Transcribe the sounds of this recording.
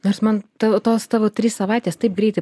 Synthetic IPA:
noːrsmɐnt̪ɑʋoːt̪oːst̪ɑʋoːt̪ʲɾʲissɐʋɑˑɪt̪ʲeːst̪ɐɪp̚ɡɾʲɛɪɐɪ

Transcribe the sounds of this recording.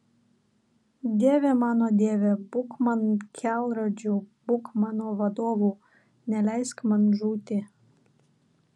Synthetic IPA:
d̪ʲeːʋʲɛmɑːnoːd̪ʲeːʋʲebʊkmɐnkʲʰælˠɾod͡ʒʲuːb̥ʊkmɑːnoːʋɐd̪oːʋuː | nʲɛlʲæɪskmɐnʒuːt̪ʲɪ

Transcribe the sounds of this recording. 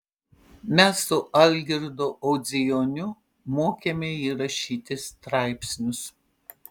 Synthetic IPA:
mʲɛsːʊʔɐlʲɡʲɪɾd̪oːʔɔʊd̪zʲɪjonʲʊ | moːkʲemʲɛiːɾɐʃʲiːt̪ʲɪst̪ɾɐɪpʲsʲnʲʊs

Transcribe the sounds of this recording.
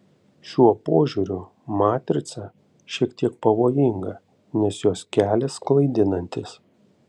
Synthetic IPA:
ʃʲuɔpoːʒʲuːɾʲʊ | mɑːt̪ʲɾʲɪt̪sɐ | ʃʲiɛkt̪ʲiɛk̚pɐʋoːjɪŋɡɐ | nʲɛsjoːskʲæːlʲɛsklˠɐɪd̪ʲɪnɐnʲt̪ʲɪs

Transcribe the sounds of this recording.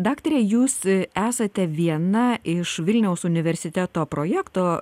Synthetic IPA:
d̪ɑːkt̪oɾʲɛːjuːsæːsɐt̪ʲɛʋʲiɛnɐɪʃʋʲɪlʲnʲɛʊsʊnʲɪʋʲɛɾʲsʲɪt̪ʲæt̪oːpɾoːjæːkt̪oː

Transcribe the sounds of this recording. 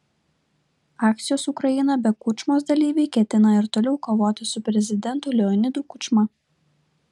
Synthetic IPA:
ɑːk̚t̪sʲɪjoːsʊkɾɐjɪnɐbʲɛkʊt͡ʃʲmoːs̬d̪ɐlʲiːʋʲɛɪkʲɛt̪ʲɪnɐɪɾt̪oːlʲɛʊkoːʋoːt̪ʲɪsʊpʲɾʲɛzʲɪd̪ʲɛnt̪ʊlʲɛɔnʲɪd̪ukʊt͡ʃmɐ

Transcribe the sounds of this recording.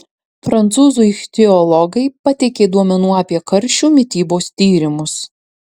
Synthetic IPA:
fɾɐnt̪suːzʊt̪ʲɛɔlˠɔɡɐɪpɐt̪ʲɛkʲeːd̪uɔmʲɛnuːɐːpʲiɛkɐɾʲˑʃʲuːmʲɪt̪ʲiːboːst̪ʲiːɾʲɪmʊs

